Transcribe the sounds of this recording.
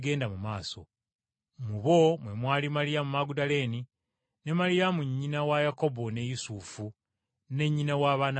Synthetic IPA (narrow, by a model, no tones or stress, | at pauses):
ɡe̞ːndamumaːso̞̰ | muβo̞mwe̞mwaːlimalijamumaɡudale̞ni | ne̞malijamuɲːinawajako̞bo̞ne̞jusufu | ne̞ɲːinawaːβaːna